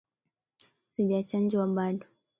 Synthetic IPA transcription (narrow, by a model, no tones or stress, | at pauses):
siʄat͡ʃand͡ʒwaɓaɗɔ